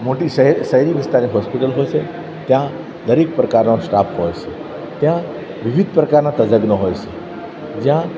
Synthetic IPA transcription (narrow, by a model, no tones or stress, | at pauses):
moʈisəɦɾiʋɪst̪aɾniɦɔspɪʈəlɦoːjt͡ʃʰe | t̪jã | d̪əɾek̚pɾəkaːɾnosʈaːpɦoːjt͡ʃʰe | t̪jã | ʋɪʋɪd̪̚ʱpɾəkaːɾnat̪əd͡ʒəɡnoɦojt͡ʃʰe | d͡ʒjã